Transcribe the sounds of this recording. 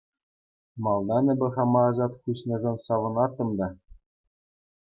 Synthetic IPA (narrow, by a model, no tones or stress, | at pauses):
mɑlˠd̪ɑnʲɘ̆bʲɘ̆χɑmɑːzɑt̪xuɕnʲɤ̆ʐŏnsɑʋɤ̆nɑrt̪ːɤ̆md̪ɑ